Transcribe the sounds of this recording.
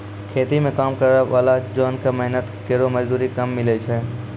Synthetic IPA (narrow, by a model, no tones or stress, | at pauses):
kʰeːt̪imẽkaːmkɐɾʋaːlad͡ʒɔːnkemɛɦnət̪keːɾomɐd͡ʒd̪uːɾikɐmːɪlet͡ʃʰɛː